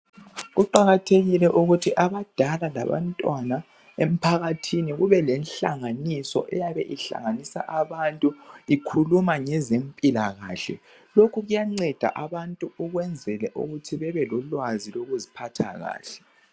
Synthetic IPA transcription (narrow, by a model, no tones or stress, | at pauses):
ɣuǃaɣatʰeɣilɛʔuɣutʰiʔaβad̥ʱalala̰βa̰ntʼwana | em̩pʰaɣatʰiniɣuβɛlɛnɬa̰ŋanisɔ̰ʔɛjaβɛʔiɬa̰ŋanisa̰ʔaβantʼuikʰulumaŋɛzempʼilaɣa̰ːɬɛ̰ | lokʰuɣujaŋ͡ǀɛd̥ʱa̰ʔaβantʼuuɣwɛnd͡zʱɛlɛʔṵɣutʰiβɛβɛlɔlwaziloɣuzipʰatʰa̰ɣa̰ːɬɛ̥